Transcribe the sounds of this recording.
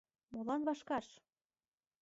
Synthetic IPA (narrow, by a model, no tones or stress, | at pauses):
molɑnβɑʃkɑʃ